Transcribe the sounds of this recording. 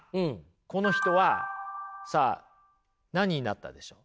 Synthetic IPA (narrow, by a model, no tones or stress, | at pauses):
ɯ̟̃ɴ | ko̞no̞çʲi̥t̪o̞βa | sa̰ː | naɲ̟iɲina̰t̪ːa̰d̪e̞ɕo̞ː